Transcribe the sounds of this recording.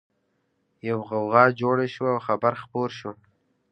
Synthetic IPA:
jawɣawɣɑd͡ʒoɽaʃwaawxabaɾxpoɾʃu

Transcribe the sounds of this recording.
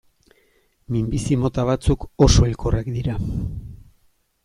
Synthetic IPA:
mimbisimo̞t̪aβ̞at͡suko̞so̞ilkorakd̪iɾa

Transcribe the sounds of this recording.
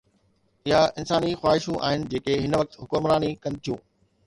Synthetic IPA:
ɪɦaɪnsaːnixwaːɦɪʃũʔa̰ːɦɪnɪ̆d͡ʑeːkeɦɪnʋɐk̚t̪ɦʊkʊmɾaːnikɐ̃nɪ̆t̪ʰijṵ̃ː

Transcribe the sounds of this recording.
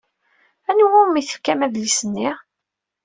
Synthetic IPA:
ænuwʊmiθə̥fkæmæðlisənːiʁ

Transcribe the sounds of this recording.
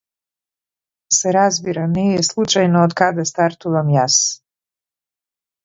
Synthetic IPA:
seɾazbiɾanijjeslˠut͡ʃajnood̪kad̪ast̪aɾt̪uʋamjas

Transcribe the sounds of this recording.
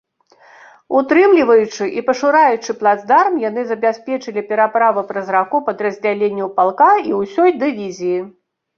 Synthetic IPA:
ut̪ɾɨmlʲivɐjut͡ʂɨʔipɐʂɨɾajut͡ʂɨplˠad̪zd̪armjanɨzɐbʲasʲpʲɛt͡ʂɨlʲipʲɛɾapɾavɨpɾɐzrakupɐd̪rɐzʲd͡zʲalʲenʲːɛwpalˠkaiwsʲɔjd̪ɨvʲizʲiji

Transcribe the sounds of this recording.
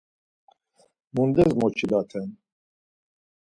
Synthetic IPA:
mund̪ɛzmɔt͡ʃʰid̪at̪ʰɛn

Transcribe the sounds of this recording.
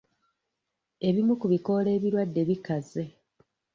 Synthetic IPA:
e̞βimukuβiko̞le̞ːβiɾwadːe̞βikaze

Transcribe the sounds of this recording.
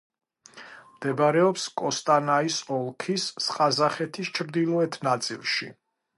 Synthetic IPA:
md̪̥ɛbɾɛɔpskʼɔst̪ʼanaisɔlˠkʰisːqʼazaχɛt̪ʰist͡ʃʰɾd̪ilˠɔɛt̪ʰnat̪sʼḭlˠʃḭ

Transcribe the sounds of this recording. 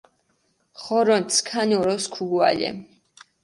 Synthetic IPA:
χɔɾɔnt̪sʰkʰanɔɾɔskʰuɡua̰lʲɛ̰

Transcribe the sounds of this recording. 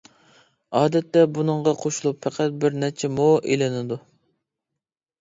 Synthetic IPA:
ɑːd̪ɛt̪ːɛbunɨɴʁɑqʰoʃulˠupfʰɛqʰæt̪̚bɪɾnɛt͡ʃʰɛmoʔelɪnɪd̪u

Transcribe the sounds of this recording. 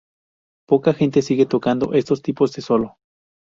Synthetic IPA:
pokaxent̪esiɣet̪okand̪o̰ʔest̪ost̪ipozd̪esolo

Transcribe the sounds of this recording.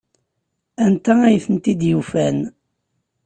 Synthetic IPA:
ænt̪ææjθənt̪id̪jufæn

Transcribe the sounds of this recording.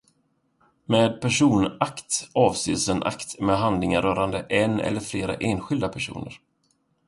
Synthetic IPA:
meːd̪̚pʰæʂuːnakt̪ɑːvseːsɛnʔa̰kt̪mɛːɦand̪lɪŋaɾœːɾand̪əʔɛnɛ̰lːəɾfleːɾa̰ʔeːnɧɪld̪apʰæʂṵːnə̰ɾ

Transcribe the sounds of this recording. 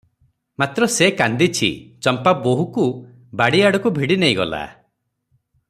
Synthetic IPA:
mat̪ɾɔsekand̪it͡ʃʰḭt͡ʃɔmpaboɦuku | baɽiaɽɔkubʱiɽinejɡɔ̰la̰

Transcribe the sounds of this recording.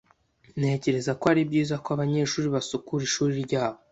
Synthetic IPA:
ne̞ːce̞ɾe̞zakoaɾibɟiːzakoaβaɲe̞ːʃuːɾiβasukuɾiʃuːɾiɾɟaːβo

